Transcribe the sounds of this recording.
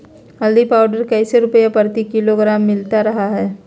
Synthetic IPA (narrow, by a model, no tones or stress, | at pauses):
ɦɐld̪ipaːʊɖəɾkɐɪseɾʊpəjapəɾt̪ikɪloɡɾaːmːɪlt̪aɾɐɦaɦɛː